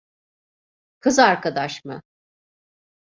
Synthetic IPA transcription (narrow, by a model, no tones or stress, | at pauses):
kʰɯzaɾkad̪aʃmɯ